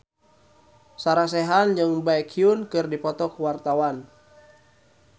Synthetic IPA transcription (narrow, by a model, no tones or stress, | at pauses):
saɾas̬ɛɦand͡ʒɨŋbaɛkʰiunkɨrdipɔt̪ɔkuwart̪awan